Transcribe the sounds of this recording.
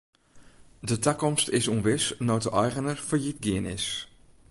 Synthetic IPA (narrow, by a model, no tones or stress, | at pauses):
dətɛkɔmstɪsunʋɪsnɔwtəʔɔjɣənərfəɹjit̚ɡɪənɪ̰s